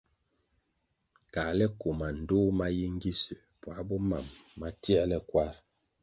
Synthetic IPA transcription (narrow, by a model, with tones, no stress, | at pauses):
ka˨lɛ˦ko˨ma˨n̩˨do˦ma˦ji˦ŋ̩˦ɡi˦sə˨pwa˨˦bɔ˦ma̰˨mːa˦ti˦ɛ˦lɛ˦kwa˦ɾ